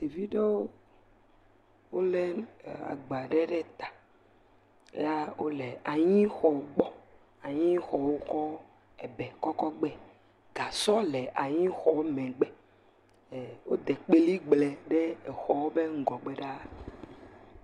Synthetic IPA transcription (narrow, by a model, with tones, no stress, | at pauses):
t̪i˨vi˦ɖe˦wo˦ | wo˦lɛ˦˨a̰˨ɡ͡ba˨ɖɛ˦ɖɛ˦t̪ḁ˨˦ | a˦wo˦lɛ˨a˨ɲĩ˦xɔ˨˦ɡ͡bɔ˦ | a˨ɲĩ˦xɔ˨wo˦kɔ˦ | ɛ˨bɛ˨kɔ˦kɔ˦ɡ͡bɛ˦ | ɡa˨sɔ˦lɛ˨ʔa˨ɲĩ˦xɔ˨˦mɛ̃˨ɡ͡bɛ˦˨ | wo˦d̪ɛ˨k͡pe˦li˦ɡ͡blɛ˨ɖe˦ɛ˨xɔ˨wo˦be˦ŋ̩˦˨ɡɔ˨ɡ͡bɛ˦ɖa˦